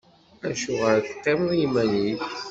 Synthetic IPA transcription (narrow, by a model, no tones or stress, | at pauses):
æʃuʁəɾθq̪ːemðˤjimæniθ